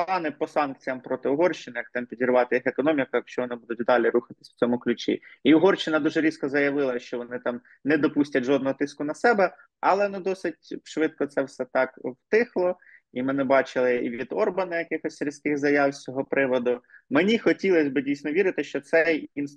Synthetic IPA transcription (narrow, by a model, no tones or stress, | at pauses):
ɑnɪpɔsɑnk̚t͡sʲijɐmpɾɔt̪ɪʊɦɔrʃt͡ʃɪnɪjɐk̚t̪ɪmpʲidʲirʋɑt̪ɪjixekɔnɔmʲikɐjɐkʃt͡ʃɔʋɔnɪbud̪ʊtʲd̪ɑlʲiɾuxɐt̪ɪ̥sʲw̥t͡sʲɔmʊklʲʉt͡ʃʲḭiʊɦɔrʃt͡ʃːɪnɐd̪uʒɛɾʲiskɔzɐjɐʋɪlˠɐʃt͡ʃɔʋɔnɪt̪ɑm | nɛd̪ɔpusʲtʲɐtʲʒɔd̪nɔɦɔt̪ɪskʊnɐsɛbɛ | ɐ̰lˠɛnud̪ɔsɪt̚ʲʃʋɪt̪̚kɔt̪sɛwsɛt̪ɑkwt̪ɪxlˠɔ | imɪnɪbɑt͡ʃɪlˠɪḭʋʲid̪ɔrbɐnɐjɐkɪxɔsʲɾʲisʲkɪxzɐjɑwsʲt͡sʲɔɦɔpɾɪʋɔd̪ʊmenʲixɔtʲilˠɐsʲbɪdʲijsʲnɔʋʲiɾɪt̪ɪʃt͡ʃɔt̪sɛjin